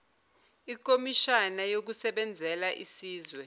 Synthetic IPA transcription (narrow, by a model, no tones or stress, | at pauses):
ik̬omiʃanajok̬usɛɓɛnd͡zʱɛlaʔisiːzwɛ